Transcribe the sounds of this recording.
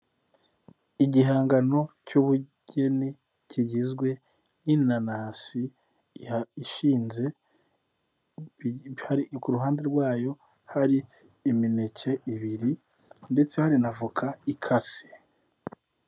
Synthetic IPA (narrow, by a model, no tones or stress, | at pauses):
iɟiɦaːŋɡano̞cuːβuɟ̥e̞ni | ciɟizɡwe̞ | ninanaːsi | iʃiːnze̞ | haɾikuɾuɦaːnde̞ɾɡwaːjo̞ | haɾiː | minecʰe̞iβiɾi | nde̞t͡se̞haɾinavukʰaikʰasi̥